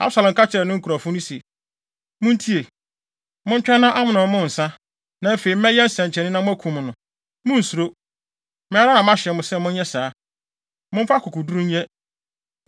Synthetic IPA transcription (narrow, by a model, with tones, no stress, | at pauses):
a̰˦bsa˨lɛ̃˨m˨kʰa˦t͡ɕʰɪ˨ɾɛ˨nʊ̃˦ŋ̩˦kʰu˨ɾa˨fʊ̃˦nʊ̃˦sɛ˨ | mʊ̃˦n̩˦tʰi˦e˨ | mʊ̃˦ɲ̩˦t͡ɕᶣɛ˦nːã˦ʔa˦mʊ̃˨nʊ̃˨˦mʊ̃˦˨n̩˨sã˦ | nã˨˦fe˨i˨m̩˦ɛ̃˦jɛ˦n̩˦sɛ̃˨ɲt͡ɕʰnɪ̃˦nã˦mʊ̃˦æ˦kʰũ˨mʊ̃˨nʊ̃˨ | mʊ̃˦n̩˨su˨ɾo˦ | mɪ̃˦a˦ɾa˦nã˨m˦ã˦ɕɪ˨ɛ˨mʊ̃˨sɛ˦mʊ̃˦n˦ɲɛ˦saː˨˦ | mʊ̃˦m˦fa˦kʰʊ˨kʰu˨du˦ɾũ˦ɲ˦ɛ˦